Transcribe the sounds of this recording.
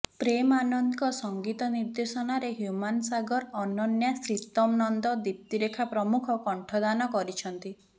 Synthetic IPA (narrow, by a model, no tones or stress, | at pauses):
pɾemanɔnd̪kɔsɔŋɡit̪ɔniɾd̪esɔnaɾeɦjumansaɡɔɾɔnɔnjasɾit̪ɔmnɔnd̪ɔd̪ip̚t̪iɾekʰapɾɔmukʰɔkɔɳʈʰɔd̪anɔkɔɾit͡ʃʰɔnt̪i